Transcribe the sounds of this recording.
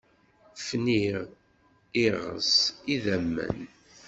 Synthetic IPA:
fniʁ | iʁə̰siðæmːæ̰n

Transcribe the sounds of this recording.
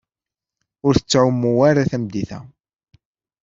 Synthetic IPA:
ʊɾθə̥t͡sːʕʊmːuwaɾaθæmd̪iθæ̰

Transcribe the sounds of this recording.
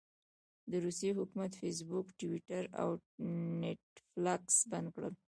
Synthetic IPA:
d̪əɾuseɦʊkumat̪fes̬bukʈwiʈaɾa̰wneʈflaksband̪̚kɽəl

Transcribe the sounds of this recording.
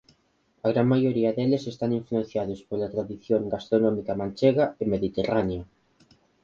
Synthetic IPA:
ɐɣ̞ɾaŋmajoɾiɐðelesest̪aŋiɱfluẽn̟θjaðʊspolat̪ɾaðiθjoŋɡast̪ɾonɔmikamãnt͡ʃeɣaemeðit̪eranea

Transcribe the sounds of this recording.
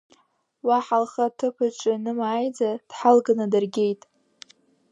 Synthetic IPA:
waħalχatʰɨpʰɨʈ͡ʂʼɪnɨmaːjd͡zad̥ħalɡanadɨrɡʲe̞jtʼ

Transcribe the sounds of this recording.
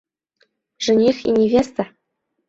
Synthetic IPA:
ʐɘ̆nʲixʲḭnʲivʲest̪a

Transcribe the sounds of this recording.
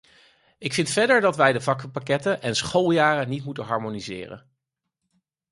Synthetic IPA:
ɪkfɪntfɛdəɹdɑtʋɛjdəvɑkəpakɛtənɛnsχolˠjaːrənitmutənɦɑɹmonizɪ̰ːrə̰n

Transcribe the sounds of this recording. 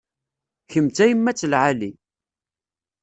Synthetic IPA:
çəmt͡s̪æjəmːæt͡sːəlʕali

